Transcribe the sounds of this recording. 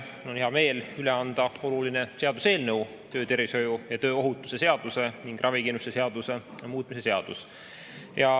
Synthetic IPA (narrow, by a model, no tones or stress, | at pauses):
o̞nheɑme̞ːlyleɑnd̪̥ɑo̞luline̞se̞ɑd̪use̞ːlnəuw | t̪ø̞ːt̪e̞ɾviso̞jujɑt̪ø̞ːo̞ɦut̪ːˑu̥se̞se̞ɑd̪̥use̞niŋɡ̥rʔɑvikenust̪ese̞ɑd̪̥use̞ɑmuːt̪ˑmise̞se̞ɑd̪̥us | jɑ